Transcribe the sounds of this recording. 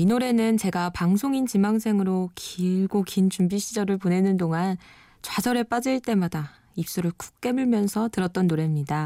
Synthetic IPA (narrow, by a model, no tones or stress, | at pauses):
inoɾe̞nɯnt͡ɕe̞ɡapaŋsʰoŋint͡ɕimaŋs̬ʰe̞ŋɯɾokiɭɡokint͡ɕumbiɕʰid͡ʑʌɾɯɭpone̞nɯndoŋan | t͡ɕwasʰʌɾe̞p͈ad͡ʑɯɭt͈e̞mada | ip̚s͈uɾɯɭku̥k̚k͈e̞muɭmjʌnsʰʌtɯɾʌt̚t͈ʌnːoɾe̞mɲida